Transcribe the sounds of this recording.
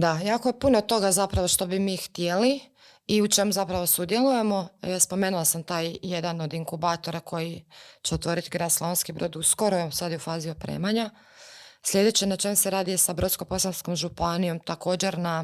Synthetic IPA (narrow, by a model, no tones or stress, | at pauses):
d̪ajaːkoje̞punot̪o̞ɡazapɾaʋoʃt̪o̞bimiːxt̪jeli | iut͡ʃe̞muzapɾaʋo̞sud̪je̞lˠuje̞mo̞spo̞meːnulˠasamt̪aːjje̞d̪ano̞d̪iŋkubaːt̪o̞ɾako̞jit͡ɕeot̪ʋo̞ːɾit̪iɡɾad̪sloʋonskibɾo̞d̪uskoɾoesad̪ufaːziopɾḛmaɲa | sʎʲe̞d̪et͡ɕenat͡ʃe̞museɾaːd̪ijesabɾot̪sko̞po̞sansko̞mʒupanijo̞mt̪ako̞ːd͡ʑe̞ɾna